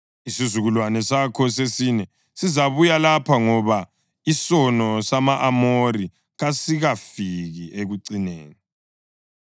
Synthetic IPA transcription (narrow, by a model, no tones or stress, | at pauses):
isizuɣulwanɛsakʰɔsesiːnɛ | sizaβujalapʰaŋɔβa | isɔnɔsamaʔamori | ɣasiɣafiɣiʔeɣuǀinḛːni